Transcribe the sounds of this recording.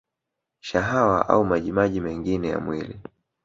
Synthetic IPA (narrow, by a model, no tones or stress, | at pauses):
ʃaɦawaʔa̰umaʄimaʄimɛŋɡinɛja̰mwili